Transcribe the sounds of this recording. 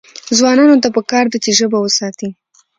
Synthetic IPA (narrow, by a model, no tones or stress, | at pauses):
zwɑnɑnot̪apəkɑɾd̪at͡ʃeʒəbawəsɑt̪i